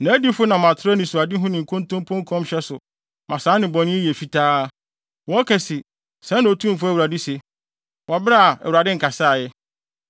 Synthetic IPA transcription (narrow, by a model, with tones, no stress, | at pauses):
nã˨˦æ˦di˦fʊ˦nã˨mã˨tʰɪ˦ɾa˦nɪ̃˨su˨a˨dɪ˦ɦʊ̃˦nɪ̃˨ŋ̩˨kʰʊ̃˦n˦tõ˦m˦pʰɔ̃˦ŋ˦kʰɔ̃˦m˦ɕɛ˦sʊ˨ | mã˨saː˨˦nɪ̃˨bɔ̃˨nɪ̃˦je˨fi˦˨tʰaː˦ | wɔ˨˦kʰɛ˨si˨ | sɛ̃˦nã˨o˨tʰũ˦m˨fʊ˦æ˦˨wɾa˨dɪ˦se˨ | wɔ˨bɾa˦a˨ɛ˨wu˨ɾa˨dɪ˦ŋ̩˨kʰa˨sa˦˨jɛ˦